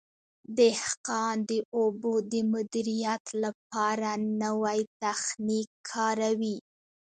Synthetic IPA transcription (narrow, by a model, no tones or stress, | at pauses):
d̪ehqɑnd̪əʔobod̪əmʊd̪iɾijat̪lap̚ɑɾanəwajt̪axnikʰːɑɾawi